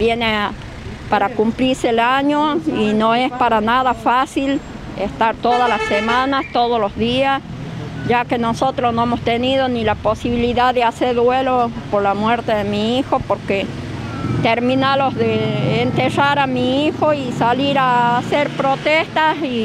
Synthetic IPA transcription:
bjene | paɾakumpliɾselaɲoinoespaɾanaðafasil | est̪aɾt̪oðalasemãnast̪oð̞olozðias | ʒakenosot̪ɾosnoemost̪enið̞onilaposiβiliðaððeaseɾðwelopoɾlamweɾt̪eðemiixopoɾke | t̪eɾmĩnalozðeːnt̪eraɾamiixoisaliɾaːseɾpɾot̪est̪asi

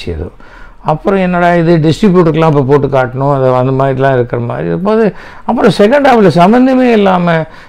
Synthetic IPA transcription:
sɪjɐ̰ðɯ̰ | ɐpːɯɾɔ̃ɛnːɐːɽaːɪðɯɖɪsʈɾɪbjuːʈɐɾkːɐlːãːɪp̬ːoːpoːʈːɯkaːʈːɐɳʊ̃ɐðɐɐnd̪ɐmaːðɾilãːɪɾɯkːɪɾɐma̰ːd̪ɾipoːðɯɐpːɯɾɔ̃sɛk̬ɐɳɖaːʋɐlɐsɐmbɐnd̪ɐmeːɪlːaːmɐ

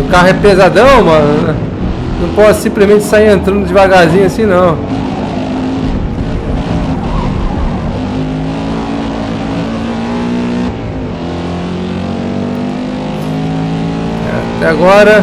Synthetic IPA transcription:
ʊkaɦʊɛpezad̪ɐ̃w̃mɐ̃nʊɛ | nɐ̃w̃pɔsʊ̥sĩmplɪzmẽnt͡ʃɪ̥saiɾẽnt̪ɾɐ̃nd̪ʊd͡ʒɪvaɡazĩɲɐsĩnɐ̃w̃ | ɛ̰t̪ɛaɡɔɾɐ

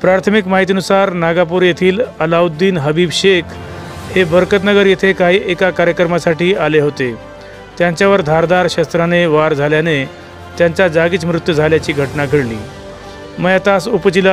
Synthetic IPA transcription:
pɾaɾt̪ʰəmikmaɦit̪iənusaɾnaɡap̬uːɾjet̪ʰiːləlaud̪ːiːnɦəbiːbɕekʰ | hebəɾkət̪nəɡəɾjet̪ʰekaɦiːʔekakaɾjəkɾəmasaʈiːaleɦot̪e | t̪jaɲt͡ɕjaʋəɾd̪ʱaɾd̪aɾɕast̪ɾaneʋaɾd͡zʱaljane | t̪jaɲt͡ɕad͡zaɡit͡smɾut̪jəd͡zʱaljat͡ɕiːɡʱəʈnakeɽlḭː | məjat̪asupt͡ɕila

